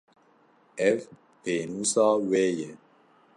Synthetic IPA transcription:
ɛf | penusɔwejɛ

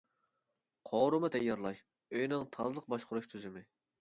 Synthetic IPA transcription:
qʰoːɾumɨt̪ʰɛjːɑɾlˠɑʃ | øjnɪŋt̪ʰɑzlˠəq̚bɑʃqʰʊɾuʃt̪ʰyzɪmɪ

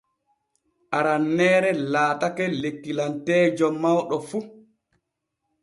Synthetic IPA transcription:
ʔaɾanːɛːɾɛlaːtakɛlekːilantɛːd͡ʒɔmːawɗɔfu

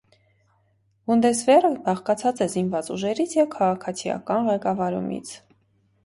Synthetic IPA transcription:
vund̪ɛsvɛrəbɑχkɑt͡sʰɑt͡sɛzinvɑt͡suʒɛɾit͡sʰjɛvkʰɑʁɑkʰɑt͡sʰijɑ̰kɑnʁɛkɑvɑɾṵmḭt͡sʰ

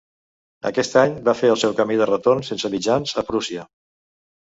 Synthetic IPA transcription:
ə̰kɛst̪aɲbafeəlˠsɛwkəmiðərət̪ornsensəmid͡ʒanzəpɾusiə

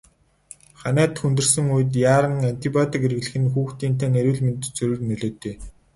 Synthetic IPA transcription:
χanæːt̪xunt̪ɵ̆rsɵ̆ŋujɘ̆t̪̬jaːɾə̆ŋant̪ipʲjɔt̪ikerɣ̆ɮɘ̆xɘ̆nxuːxt̪iːnt̪ʰæːneɾʲuːɮment̪t͡sɵɾʲɵ̆rnœɮoːt̪eː

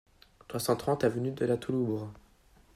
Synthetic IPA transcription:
sχwasɑ̃t̪χɑ̃t̪avənyd̪əlat̪ulubʁ

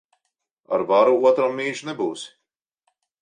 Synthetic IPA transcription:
a̰ɾvaɾuuɔt̪ɾamːiːʒnɛbuːs

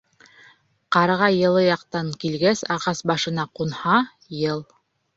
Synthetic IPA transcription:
qɑɾʁɑjɤ̆lˠɤjɑqt̪ɑŋkilɡæsɑʁɑsbɑʃɤ̆nɑqunhɑ | jɤlˠ

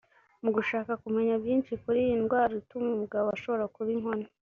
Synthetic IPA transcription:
muɡuʃaːkakume̞ɲabjiːnʃikuɾijinɡwaːɾoitumemuɡaβoaʃo̞βo̞ɾakuβiŋho̞na

